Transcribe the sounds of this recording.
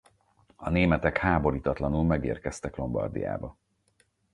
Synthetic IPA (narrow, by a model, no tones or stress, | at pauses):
ɒneːmɛt̪ɛkhaːbo̞ɾiːt̪ɒt̪lɒnulmɛɡḛːrkɛst̪ɛklo̞mbɒ̰rd̪ḭja̰ːbɒ